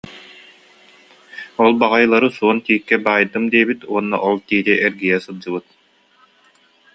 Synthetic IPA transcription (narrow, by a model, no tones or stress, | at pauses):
ɔlˠbaʁajlˠaɾɯsuɔnt̪iːkːɛbaːjd̪ɯmd̪iɛbit̪uɔnːɔ̰ʔɔlˠt̪iːd̪iʔɛɾɡijɛsɯlˠd͡ʑɯbɯt̪̚